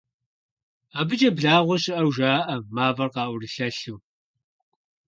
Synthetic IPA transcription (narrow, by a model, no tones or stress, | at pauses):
aːbɨd͡ʒɐbɮaːʁʷɔɕɪʔɐwʒaːʔɐmaːvɐrqɑːʔʷʊrɨɬɐɬuw